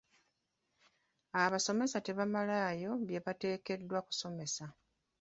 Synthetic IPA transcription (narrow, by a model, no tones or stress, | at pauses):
aβaso̞me̞sate̞βamalaːjo̞βje̞βate̞ːke̞dːwaku̥so̞me̞sa